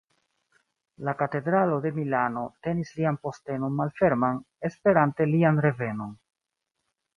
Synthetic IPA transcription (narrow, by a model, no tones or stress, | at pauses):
lakate̞dɾalo̞de̞milano̞te̞nislianpo̞ste̞no̞nmalfe̞ɾman | e̞spe̞ɾante̞lianɾe̞ve̞no̞n